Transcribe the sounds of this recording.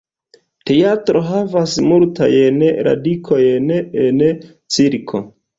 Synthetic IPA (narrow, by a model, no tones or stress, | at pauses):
te̞jatɾo̞ɦavasmultʰa̰jenɾʔa̰dikʰojenen | t͡siɾkʰo̰